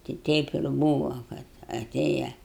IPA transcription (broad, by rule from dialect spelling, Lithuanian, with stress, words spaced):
tʲɪ ˈtʲɛɪp ɪr ˈbuːʋɐ kɐt ɐˈtʲeːjɛ